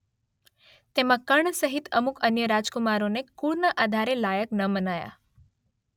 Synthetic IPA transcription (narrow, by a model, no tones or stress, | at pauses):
t̪emãkəɳsəɦit̪əmukənjəɾad͡ʒkumaɾonekuɭnaʔad̪ʱaɾelajəknəmənaja̰